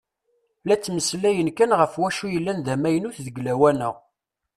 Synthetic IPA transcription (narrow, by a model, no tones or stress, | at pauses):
læt͡sːməslæjənkænʁəfwæʃujəlːænðæmæjənuθðəɡlæwænəʁ